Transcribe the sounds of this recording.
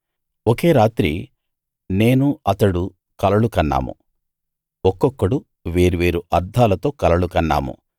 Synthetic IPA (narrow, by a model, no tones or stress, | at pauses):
oke̞ːɾaːt̪ɾḭ | ne̞ːnuɐt̪ɐɽu | kɐlɐɭukɐnːa̰ːmṵ | ɔkːɔkːɐɽu | ʋeːɾuʋeːɾuʔɐɾd̪ʱaːlɐt̪o̞ːkɐlɐɭukɐnːa̰ːmṵ